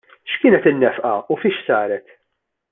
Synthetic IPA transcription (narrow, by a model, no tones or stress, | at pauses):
ʃkɪːnɛt̪ɪnːɛfʔɐ̰ufiːʃsɐːɾɛt̪